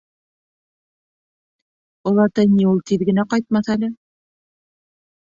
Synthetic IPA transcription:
ŏlˠɑɾt̪ɤniulˠt̪iðɡɘ̆næqɑjt̪̚mɑθælɘ

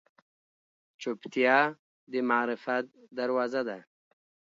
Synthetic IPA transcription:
t͡ʃupt̪jɑ | d̪əmaːɾɪfat̪̚ | d̪aɾwazad̪a

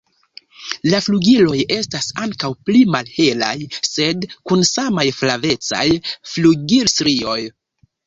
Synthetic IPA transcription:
lafluɡilo̞je̞stasaŋkawplimalhe̞la̰jse̞dkunsamajflave̞t͡sa̰jfluɡiɾsɾio̞j

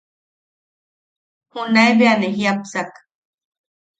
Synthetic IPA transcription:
hunaeβeaneɦiapsak

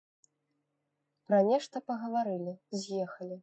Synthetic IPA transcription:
pɾɐnʲɛʂt̪ɐpɐɣɐvaɾɨlʲizʲjɛxɐlʲi

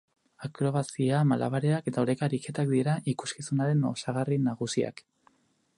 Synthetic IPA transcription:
akɾo̞βasiamalʔa̰βaɾeake̞t̪aoɾekaɾike̞t̪akd̪iɾaʔiku̥skisunaɾe̞no̰saɣ̞arinaɣ̞usia̰k

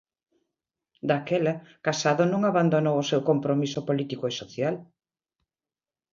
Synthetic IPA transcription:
d̪akɛlɐkasaðonõŋaβand̪onowosewkompɾomisʊpolit̪ikoesoθjal

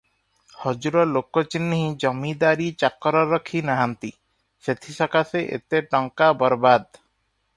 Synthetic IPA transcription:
hɔd͡ʒuɾɔlokɔt͡ʃinːiɦĩd͡ʒɔmid̪aɾit͡ʃakɔɾɔɾɔkʰinaɦant̪i | set̪ʰisɔkaseʔḛt̪eʈɔŋkabɔɾbad̪

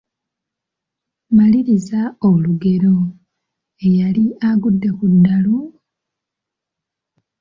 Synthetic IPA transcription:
maliɾizaoluɡe̞ɾo̞ | ejaliʔaɡudːekudːalu

